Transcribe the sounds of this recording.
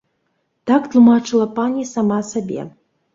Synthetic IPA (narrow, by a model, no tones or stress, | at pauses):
t̪akt̪lˠumat͡ʂɨlˠɐpanʲisamasabʲḛ